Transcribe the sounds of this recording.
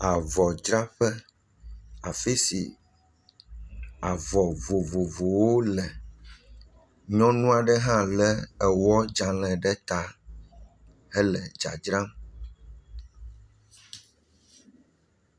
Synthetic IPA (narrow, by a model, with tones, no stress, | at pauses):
a˨vɔ˨d͡ʒɾa˦ɸɛ˦ | a˨fi˦sḭ˨ | a˨vɔ˨vo˨vo˨vo˨wo˦lɛ˨ | ɲɔ̃˦nũ˦a˨ɖɛ˦ɦã˦lɛ˦ɛ˨wɔ˦d͡ʒa˨lɛ̃˨ɖɛ˦t̪a˦ | ɛ˦lɛ˨d͡ʒa̰˨d͡ʒɾã˦m